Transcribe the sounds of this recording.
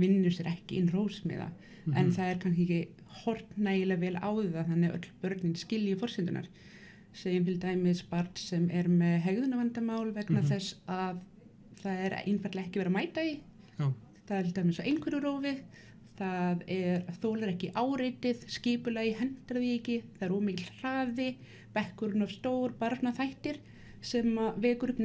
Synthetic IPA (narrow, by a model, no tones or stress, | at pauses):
vɪnːʏ̥sjɛɾʔɛhcɪʔɪnːr̥oːwsmɛ̰ða̰ | ɛnθaðɛɾ̥kʰans̬ɪ | hɔr̥t̪naːjɪlavɛːla̰ːwðɪðaθanːɪœ̰t̪lpœɾt̪nɪnscɪljʏfɔr̥sɪnt̪ʏnʔa̰ɾ̥ | seːjʏmt̪ʰɪlt̪aːjmɪðspaɾt̪sɛmɛɾmɛðɦɛɣðʏnavant̪amaːwlvɛknaθɛsað | θaðɛɾḛjnfaɾt̪laɛhcɪvɛːɾamaːjt̪aɪ | θaðɛɾt̪aːjmɪsaʔejnkʰvɛɾʏɾoːwvɪ | θaðɛɾaθoːwlaɾɛhcɪʔaːwɾejt̪ɪðscɪːpʏlajɪhɛn̥t̪aɾvicɪθaðɛɾoːmɪcl̥r̥aːðɪ | pɛhkʏɾʏnav̥st̪oːwɾpaɾpnaθajht̪ɪɾ̥ | sɛmavɛːkʏɾʏpn